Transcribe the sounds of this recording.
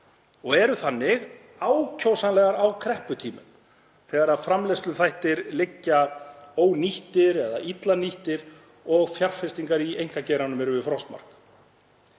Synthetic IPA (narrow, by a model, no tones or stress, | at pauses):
ɔɣɛɾʏθanːɪɣ | aːwcʰowsanlɛːɣaɾawkʰɾɛhpʏt̪ʰiːmʏ̰m | θɛːɣaɾaðfɾamlɛst̪lʏθajht̪ɪɾlɪcːaoːwniht̪ɪɾɛðaʔit̪laniht̪ɪɾ | ɔɣfjar̥fɛst̪iŋkaɾiejŋ̥kacɛjɾanʏmɛɾʏvɪfɾɔst̪ma̰r̥k